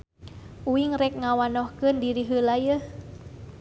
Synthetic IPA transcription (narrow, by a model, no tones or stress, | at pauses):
ʔuɪŋrɛk̚ŋawanɔhkəndiɾiɦəlajəh